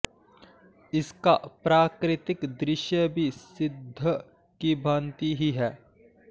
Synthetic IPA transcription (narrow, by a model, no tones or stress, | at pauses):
ɪskapɾaːkɾɪt̪ɪkd̪ɾɪʃjəbʱisɪd̪ʱːə | kibʱãːnt̪iɦiɦɛː